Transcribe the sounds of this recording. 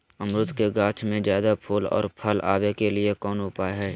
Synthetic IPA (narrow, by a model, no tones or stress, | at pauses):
əmɾʊt̪keɡaːt͡ʃʰmẽzjaːd̪apʰuːlɔ̰ːɾpʰəla̰ːʋekelɪekɔːnʊpaːɦɛː